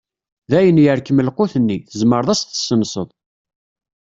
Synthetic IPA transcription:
ðæjənjəɾkəməlquθənːiθəzməɾðˤæsθə̥sːənsˤəðˤ

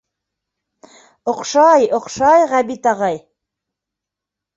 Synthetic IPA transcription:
ŏqʃɑjŏqʃɑjʁæbit̪ɑʁɑj

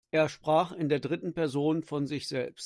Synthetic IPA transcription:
ʔeːɐʃpʁ̥aːχɪndeːɐdʁɪtn̩pɛɐzoːnfɔnzɪçz̥ɛ̰lpst

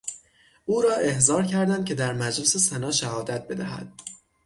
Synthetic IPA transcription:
ʔuːɾɒːʔe̞hzɒːɾcʰæɾd̪ænd̪̚cʰe̞d̪æɾmæd͡ʒlese̞sænɒːʃæhɒːd̪æt̪̚be̞d̪æhæ̰d̪̥̚

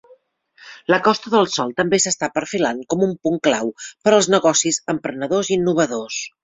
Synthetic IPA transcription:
ləkɔst̪əðəlˠsɔlˠt̪əmbesəst̪apəɾfilankɔmumpuŋklawpəɾəlˠznəɣɔsizəmpɾənəðozinːuβ̞əðos

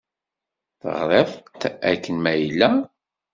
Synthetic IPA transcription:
θə̰ʁɾˤefˤt̪ækːənmæjlːæ

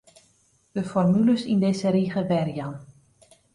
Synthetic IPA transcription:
d̥əfɔrmyləsindɪsəɾiɣəʋɛrjɑn

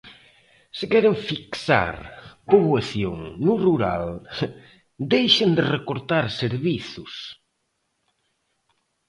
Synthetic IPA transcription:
sɪkɛɾɪɱfiksa̰ɾpoβwaθjoŋnuruɾa̰l | d̪ejʃɪnd̪ɪrekoɾt̪aɾseɾβiθʊs

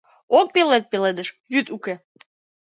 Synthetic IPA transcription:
ok̚pelet̪̚peled̪əʃ | jyt̪uke

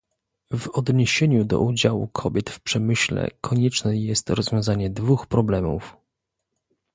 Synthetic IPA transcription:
vɔd̪ɲeɕeɲud̪ɔ̰ʔud͡ʑawṵkʰɔbʲjɛt̪fpʂɛmɘɕlɛ̰kʰɔɲɛt͡ʂnɛjɛst̪ɾɔzvʲjɔ̃zaɲɛd̪vuxpɾɔblɛmṵf

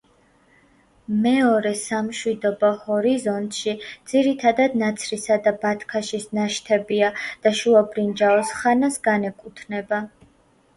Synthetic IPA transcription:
mɛɔɾɛsamʃwid̪ɔbɔhɔɾizɔnt̪ʼʃid̪z̥iɾit̪ʰad̪ad̪nat̪sʰɾisad̪abat̪ʰkʰaʃisnaʃt̪ʰɛbiad̪̥aʃuabɾind͡ʒaɔsχanasɡanɛkʼut̪ʰnɛba

